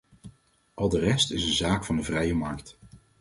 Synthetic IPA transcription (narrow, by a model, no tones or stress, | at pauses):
ʔɑlˠdərɛstɪsənzaːkfɑndəvrɛjəmɑɹkt